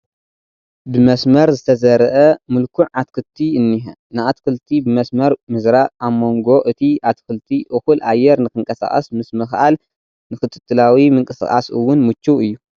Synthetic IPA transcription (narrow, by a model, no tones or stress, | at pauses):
bɨmɐsmɐɾzɨt̪ʰɐzɐɾɐʔɐmɨlkʰuʕʔat̪̚kʰɨlt̪ʰiɨnːiɦɐ | nɨat̪kʰɨlt̪ʰibɨmɐsmɐɾmɨzɾaʔamːo̞ŋɡo̞ʔɨt̪ʰiat̪̚kʰɨlt̪ʰiʔɨxulʔajːɛɾnɨkɨŋkʼɐsa̰χʼɐ̰smɨsmɨxʔal | nɨkɨt̪ʰɨ̥t̪ʰʼːɨlawimɨŋkʼɨsɨχʼa̰sɨwːʊnmɨt͡ʃːuɨjːu